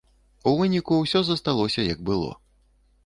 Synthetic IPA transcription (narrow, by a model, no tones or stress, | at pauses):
uvɨnʲikuwsʲɔzɐst̪alˠɔsʲɐjɐɡ̚bɨlˠɔ̰